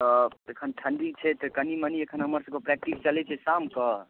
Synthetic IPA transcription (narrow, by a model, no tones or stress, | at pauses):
ɔekʰənʈʰəɳɖit͡ʃʰɛt̪ɔkəniməniekʰənɦəməɾsə̃bkepɾɛk̚ʈist͡ʃəlɛt͡ʃʰɛsamkə